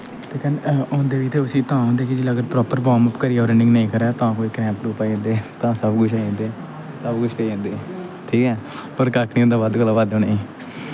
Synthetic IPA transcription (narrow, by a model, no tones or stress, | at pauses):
t̪eːkənõːnd̪eːʋiːt̪ʰeːʊsĩːt̪ãːɦõːnd̪eːkid͡ʒiləɡəd̪pɾɔːpəɾbɔːməpkəɾiːɔːɾəɳɖɪ̃ŋɡnəĩːkəɾɛːt̪ãːkoːiːkɾɛ̃ːmpɾuːpaːĩːnd̪eːt̪ãːsəbkʊʃʰaːẽːnd̪eː | səbkʊt͡ʃʰpeẽːnd̪eːʈʰiːkɛː | pəɾkakʰnĩːʊ̃ːnd̪aːʋad̪kəlaːʋad̪oːneːiː